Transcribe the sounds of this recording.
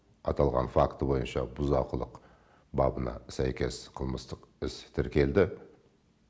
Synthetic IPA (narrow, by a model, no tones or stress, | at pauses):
ɑt̪ʰɑlˠʁɑ̰nfakt̪əbo̞jənʃɑbʊzɑqəlˠəq | bɑbənɑ̰sæjkʲe̞sqʰəlˠməst̪əqɪst̪ʰɪɾkʲe̞ld̪ɪ